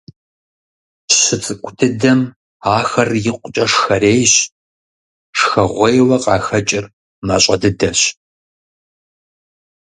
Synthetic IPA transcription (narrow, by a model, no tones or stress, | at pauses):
ɕɪt͡sʼɨkʷʼʊtʰɨdɐm | aːxɐrjɪqʷʊt͡ʃʼɐʂxɐreːjɕ | ʂxɐʁʷɔjwɐqʼɑːxɐt͡ʃʼɪr | maɕʼɐdɨdɐɕ